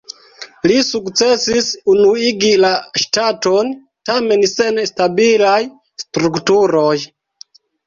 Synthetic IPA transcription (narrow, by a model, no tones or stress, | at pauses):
lisukt͡se̞sisunuiɡilaʃtato̞n | tame̞nse̞nstabilaj | stɾuktuɾo̞j